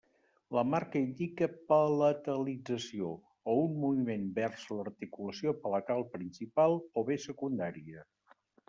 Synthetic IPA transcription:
ləmaɾkəind̪ikəpələt̪əlid͡zəsioː | unmuβimenbɛrz̥lərt̪ikuləsiopələt̪alˠpɾinsipalˠoβesəkund̪aɾiə

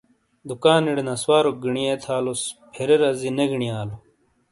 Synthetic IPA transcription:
d̪ukaːniɽenɐswaːɾoɡiɳiet̪ʰaːlospʰeɾeɾɐzineɡiɳijaːlo

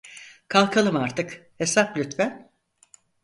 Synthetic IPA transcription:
kʰalˠkʰalˠɯmaɾt̪ʰɯkhe̞saplʲyt̪væn

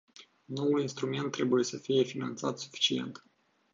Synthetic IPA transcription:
no̞wulinst̪ɾume̞nt̪ːɾebuje̞səfije̞finant̪sat̪su̥fi̥t͡ʃie̞̰nt̪

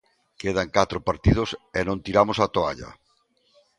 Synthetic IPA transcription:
keð̞aŋkat̪ɾopaɾt̪ið̞ʊsenõnt̪iɾamosat̪oa̰ʎɐ̰

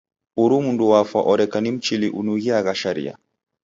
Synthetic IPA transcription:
uɾumunduwafa̰ʔɔɾɛkanim̩t͡ʃiliʔunuɣiaɣaʃaɾḭja̰

